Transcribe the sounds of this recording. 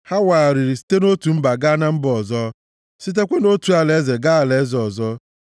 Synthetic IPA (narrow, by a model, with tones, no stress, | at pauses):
ha˦wa˨a˨ɾi˨ɾi˨si̥˦te˦no˦tu˨m̩˦ba˨ɡa˦na˦m̩˦bɔ˨zɔ˦ | si˦t̬e˦kʷe˦no˦tu˨a˨le˦ze˨ɡa˦a˨le˦zɔ˨zɔ˦